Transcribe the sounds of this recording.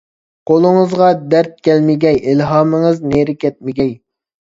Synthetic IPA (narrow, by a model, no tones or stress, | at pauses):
qʰolˠɨŋəzʁɑd̪æɾt̪̚kʲʰɛlmɪɡʲɛjilɦɑːmɨŋɨzneɾɪkʲɛt̪̚mɪɡʲɛj